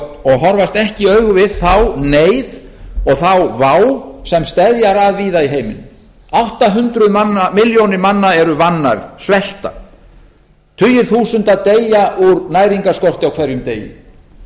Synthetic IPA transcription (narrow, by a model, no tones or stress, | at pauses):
ɔɣɦɔɾvast̪ɛhcɪœɥɣʏvɪðθawneːjðɔɣθawvawsɛmst̪ɛðjaɾaðviːðaiɦeːjmɪ̰n | awht̪aɦʏnt̪ɾʏmanːamɪljownɪɾmanːaɛɾʏvanːa̰ɾðsvɛl̥t̪a | t̪ʰʏjʏɾ̥θuːsʏnt̪aðt̪eːjaʔuɾnajɾiŋkaskɔr̥t̪ɪawkʰv̥ɛɾjʏmt̪eːjɪ̰m